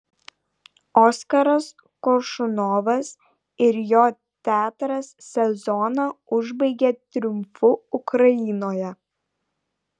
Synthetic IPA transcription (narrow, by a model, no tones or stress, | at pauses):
ɔːskɐɾɐs | kɔɾʃʊnɔːʋɐs | ɪɾjoː | t̪ʲæːt̪ɾɐsːʲɛzɔnɑʊʒbɐɪɡʲet̪ʲɾʲʊmfʊʊkɾɐjɪːnoːjɛ